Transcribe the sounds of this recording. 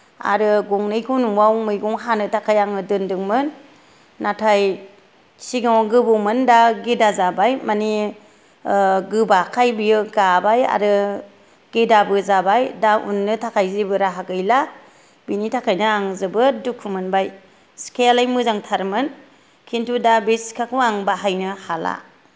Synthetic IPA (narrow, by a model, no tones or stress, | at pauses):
a̰ɾɯɡuŋnɯjkʰunuwawmɯjɡuŋɦanɯtʰakʰajaŋɯdɯndɯŋmɯnː | atʰaj | siɡaŋɡɯbumɯndaɡedazabajmani | ɡɯbakʰajbijɯɡabaja̰ɾɯ | ɡ̥edabɯzabajdaṵnːɯtʰakʰajzibɯɾaɦaɡɯjla | binitʰakʰajnɯaŋzɯbɯdukʰumɯnbaj | skʰealajmɯzaŋtʰaɾmɯn | kʰintʰudabiskʰakɯaŋbaɦajnɯhala̰